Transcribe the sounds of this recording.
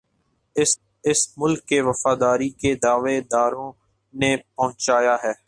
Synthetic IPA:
ɪsmʊlkːeʋɐfaːd̪aːɾiked̪aːʋed̪aːɾõ | nepɐɦʊ̃t͡ʃaːjaɦɛː

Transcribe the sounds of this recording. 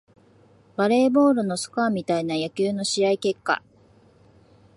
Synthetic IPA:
baɾe̞ːbo̞ːɾɯ̟no̞sɨ̥kamʲit̪ainajakʲɨːno̞ɕiaike̞kːa̰

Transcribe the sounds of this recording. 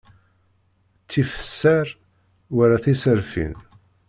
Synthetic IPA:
t͡sːifə̥sːæɾ | wəɾaθisəɾfḭn

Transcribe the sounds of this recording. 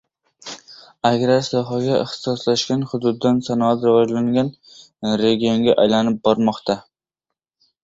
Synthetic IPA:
aɡʲɾasɒɦɒɡʲaɪ̰χt̪ʰɪ̥sɒslaʃkʲanhʊd̪ʊd̪ːansanɒat̪ɾɪvɒd͡ʒlaŋɡʲan | ɾe̞ɡʲijoŋɡʲaʔajlanɪp̚bɒɾmɒqt̪ʰa

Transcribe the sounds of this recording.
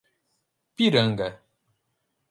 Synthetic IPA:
piɾaŋɡa

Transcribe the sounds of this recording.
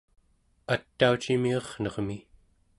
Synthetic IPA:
at̪ːaut͡ʃimiɑχnʌʁmi

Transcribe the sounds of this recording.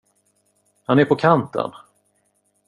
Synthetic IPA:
hanɛɾpʰɔkʰant̪ə̰n

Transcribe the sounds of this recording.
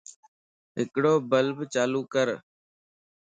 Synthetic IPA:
ɦɪkɽoːbəlbt͡ʃaːluːkəɾ

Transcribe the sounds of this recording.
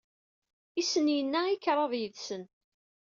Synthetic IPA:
isənjənːæikːɾˤɑðˤjəðsən

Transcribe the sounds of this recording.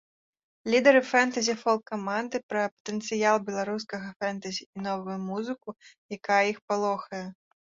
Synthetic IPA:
lʲid̪ɐɾɨfɛnt̪ɐzʲifɔlˠkamand̪ɨpɾɐpɐ̥t̪ɛnt̪sɨjalˠbʲɛlˠaɾuskɐɣɐfɛnt̪ɐzʲiːnɔvujumuzɨkujakajɐixpalˠɔxɐjɐ

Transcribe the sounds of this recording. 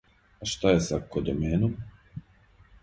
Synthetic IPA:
aʃt̪ajesakod̪omeːnom

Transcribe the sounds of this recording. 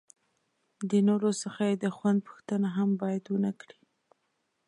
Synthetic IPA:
d̪ənoɾosəxajed̪əxwand̪̚pə̥xt̪ənaɦambɑjad̪wənakɽi

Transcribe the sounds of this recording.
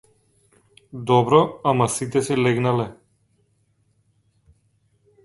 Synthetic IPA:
d̪ɔbɾɔamasit̪ɛsɛlɛɡnalɛ

